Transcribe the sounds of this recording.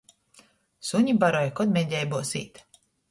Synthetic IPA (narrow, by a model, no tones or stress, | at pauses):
suɲʲibaɾɔjkɔd̪mʲɛd̪ʲɛjbuɔsḭːt̪